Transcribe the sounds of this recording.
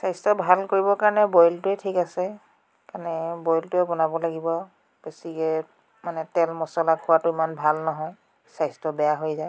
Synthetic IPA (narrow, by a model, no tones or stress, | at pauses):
sajstɔbʱalkoɹibɔkaɹɔnɛbɔjltʊɛtʰikasɛ | kanɛbɔjltʊɛbɔnabɔlaɡibɔ | b̥esikɛ | manɛtɛlmɔsɔlakʰʊwatʊimanbʱalnɔɦɔj | sajstɔbɛjaɦojzaj